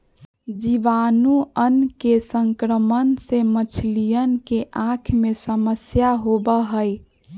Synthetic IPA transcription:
d͡ʒiʋaːnuənkesəŋkɾəmənsemət͡ʃʰlijənkeʔãkʰmẽsəməsjaɦobəɦəi

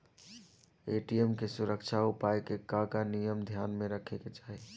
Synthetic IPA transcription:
eʈijemkesuɾəkt͡ʃʰaupajkekakanijəmd̪ʱjanmeɾəkʰeket͡ʃaɦi

